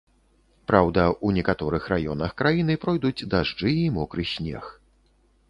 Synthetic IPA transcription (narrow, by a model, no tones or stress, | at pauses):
pɾawd̪ɐunʲɛkat̪ɔɾɨxrajɔ̰n̪ɐxkɾajin̪ɨpɾɔjd̪ud͡zʲd̪aʐd͡ʐɨimɔkɾɨsʲnʲɛ̰x